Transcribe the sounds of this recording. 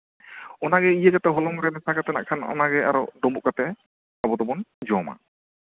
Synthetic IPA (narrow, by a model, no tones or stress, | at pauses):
ɔnaɡɛijəɡat̪ɛɦɔlɔŋɾɛmɛsaɡat̪ɛna̰ʔkʰanɔ̰naɡɛa̰ɾɔ̰ɖɔmbuʔkat̪ɛ | abɔt̪ɔbɔnd͡ʒɔma̰